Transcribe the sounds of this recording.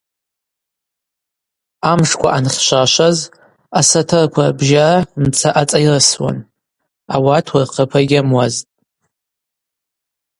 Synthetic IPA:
amʂkʷʰa̰ʔanχʲʃʷaʃʷaz | asatʰɨrkʷʰarbʒarant͡sʰaʔat͡sʼairaswa̰n | awatʰwarqʰəpʰaɡʲɪamwaztʼ

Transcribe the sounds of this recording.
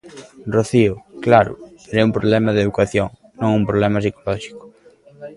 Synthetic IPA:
roθiʊklaɾʊ̰ɾɛumpɾoβlɛmɐðeðukaθjoŋ | nõŋumpɾoβlɛmɐs̬ikolɔʃi̥kʊ̥

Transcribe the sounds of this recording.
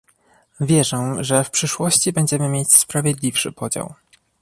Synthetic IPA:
vʲjɛʐɛʐɛfpʂɘʂwɔɕt͡ɕibɛɲd͡ʑɛmɘmʲjet͡ɕspɾavʲjɛd̪lʲifʂɘ̰pɔd͡ʑa̰w

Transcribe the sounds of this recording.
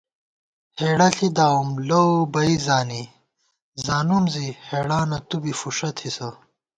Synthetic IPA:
heːɽɐɬʰid̪aːumlowbɐizaːni | zaːnumziheːɽaːnɐt̪ubifuʂɐt̪ʰhisɐ

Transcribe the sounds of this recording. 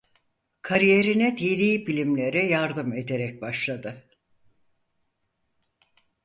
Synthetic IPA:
kʰaɾijeɾinɛd̪ilʲiːbilʲimlʲe̞ɾɛjaɾd̪ɯme̞d̪e̞ɾɛc̚baʃlˠad̪ɯ

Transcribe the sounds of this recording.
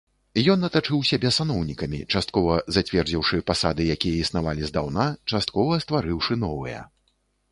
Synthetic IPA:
jɔnːɐt̪at͡ʂɨwsʲabʲɛsanɔwnʲikɐmʲḭt͡ʂast̪̚kɔvɐzat͡sʲvʲɛrd͡zʲiwʂɨpasad̪ɨjakʲijɐisnavalʲizd̪awnat͡ʂast̪̚kɔvɐst̪vaɾɨwʂɨn̪ɔvɨjɐ̰

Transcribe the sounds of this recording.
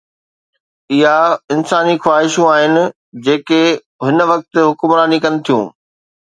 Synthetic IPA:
ɪɦaɪnsaːnixwaːɦɪʃũaːɦɪnɪ̆ | d͡ʑeːke | ɦɪnʋɐk̚t̪ɪɦʊkʊmɾaːnikɐnɪ̆t̪ʰijṵ̃ː

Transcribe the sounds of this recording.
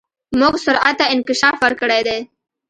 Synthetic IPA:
mʊɡsʊɾat̪ːaɪnkɪʃɑfwaɾkəɽed̪e

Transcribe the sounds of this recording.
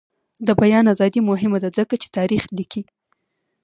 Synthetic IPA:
d̪əbajɑnazɑd̪imʊɦɪmad̪azəkat͡ʃe̥t̪ɑɾixliki

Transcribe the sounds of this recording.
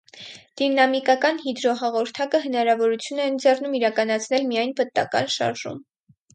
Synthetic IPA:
d̪̥inɑmikɑkɑnhid̪ɾɔɦɑʁɔɾt̪ʰɑkəɦənɑɾɑvɔɾut͡sʰjunɛnd͡zɛrnumiɾɑkɑnɑt͡sʰn̪ɛlmijɑjnpət̪ːɑ̰kɑ̰nʃɑ̰ɾʒṵm

